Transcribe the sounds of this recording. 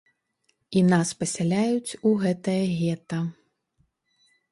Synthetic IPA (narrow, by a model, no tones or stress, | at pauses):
inaspɐsʲalʲajut͡sʲuɣɛt̪ɐjɐɣʲɛt̪ɐ